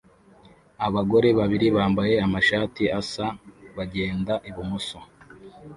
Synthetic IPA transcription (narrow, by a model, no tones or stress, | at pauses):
aβaɡo̞ɾe̞βaβiɾiβaːmbaje̞amaʃaːtiasaβaɟe̞ːndaʔiβumuso